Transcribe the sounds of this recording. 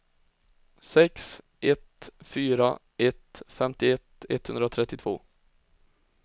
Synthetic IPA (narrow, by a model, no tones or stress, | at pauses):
sɛks | ʔɛt̪fyːɾa | ɛt̪fɛmt̪ɪɛt̪ɛ̰t̪ːhɵnd̪ɾat̪ʰɾɛt̪ːɪt̪ʰv̥o̰ː